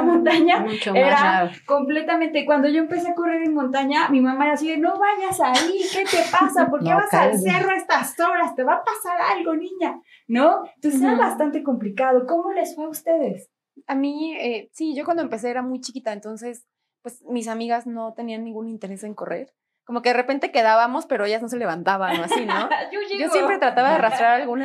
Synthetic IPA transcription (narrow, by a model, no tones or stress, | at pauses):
mõnt̪aɲamut͡ʃeɾa | ko̞mple̞t̪amẽnt̪e̞kwand̪o̞ʝo̞empe̞s̬e̞ako̞re̞ɾenmont̪aɲamimamaeɾasieno̞βaʝasaike̞t̪epasapo̞ɾkeβasalse̞ro̞est̪astoɾast̪e̞βapasaɾalɣo̞nĩɲa | noent̪onseseɾaβast̪ant̪e̞ko̞mplikað̞o̞ko̞mo̞le̞sfweust̪e̞ðe̞s | amiesiʝo̞kwandoempe̞s̬eeɾamujt͡ʃikit̪aent̪o̞nse̞s | pwe̞smis̬amiɣazno̞t̪e̞nianːĩŋɡunĩnt̪e̞ɾe̞se̞ŋko̞rʔe̞̰ɾ | ko̞mo̞keðerepe̞nt̪e̞ke̞ðaβamo̞spe̞ɾo̞e̞ʝazno̞s̬e̞le̞βant̪aβanoasino̞d͡ʒo̞s̬jepɾe̞t̪ɾat̪aβaðearast̪ɾaɾalɣuna